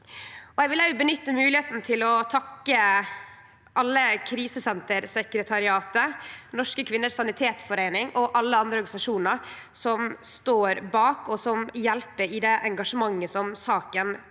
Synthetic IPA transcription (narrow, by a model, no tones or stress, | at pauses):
ɔɛɪʋɪlæbənʏt̪ːəmʉːlɪeːt̪n̩t̪ʰɪlɔt̪ʰɑkːə | ʔɑlːəkʰɾiːsəsɛnt̪əɾsɛkɾət̪ʰɑɾɪɑːt̪ənɔʂkəkʰʋɪnːəʂsɑnɪt̪ʰeːt̪fɔɾeɪnɪŋʔɔʔɑlːəɑnd̪ɾəɔɾɡɑnsɑʂuːnəɾsɔmst̪oːɾbɑːkɔsɔmjɛlpəɾɪd̪ɛʔɛŋɡɑʂəmɑŋːəsɔmsɑːkən